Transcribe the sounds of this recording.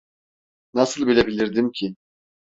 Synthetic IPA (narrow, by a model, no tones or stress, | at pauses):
nasɯlˠbilʲebilʲiɾd̪imcʰɪ